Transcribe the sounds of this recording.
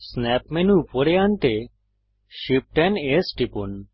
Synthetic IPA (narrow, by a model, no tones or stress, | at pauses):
snɛpmenupɔɾeant̪e | ʃip̚ʈɛnesʈipun